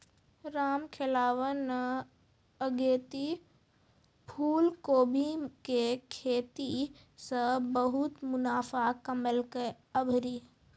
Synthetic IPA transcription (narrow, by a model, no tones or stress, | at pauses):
ɾaːmkʰelaːʋən | əɡeːt̪i | pʰuːlkoːbʱikekʰeːt̪i | sə̃bəɦʊt̪mʊnaːfakəməlkə | əbʱɾiː